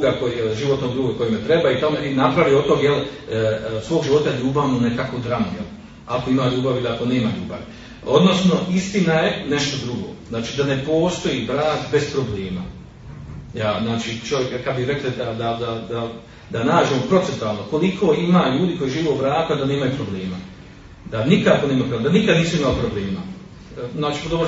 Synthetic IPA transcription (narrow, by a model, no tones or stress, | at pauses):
uɡakoʒiʋo̞t̪noɡd̪ɾuːɡoko̞jimet̪ɾe̞baːit̪amoinapɾaʋiot̪oɡjel | sʋoːɡʒiʋo̞t̪ajeʎuːbaʋmune̞kakod̪ɾamojel | ako̞imaːʎuːbaʋilako̞ne̞ːmaʎṵːba̰ʋi | o̞d̪no̞sno̞ist̪inaje̞ne̞ʃt̪o̞d̪ɾuɡo̞̰ːznaːt͡ʃid̪ane̞po̞ːst̪o̞jibɾaːk̪be̞spɾo̞bleːma̰ | jaːznaːt͡ʃit͡ʃo̞ʋjekkad̪biɾe̞klad̪ad̪ad̪ad̪a | d̪anaːd͡ʒemopɾo̞t̪ent̪uaːlˠnoko̞likʰo̞ːimaʎuːd̪iko̞jiʒiːʋeuʋɾaːk̪ad̪aneːmajupɾo̞bleːma | d̪anikako̞neːmapɾoled̪anikad̪niːsuimalipɾo̞bleːma̰ | naːt͡ʃipod̪oo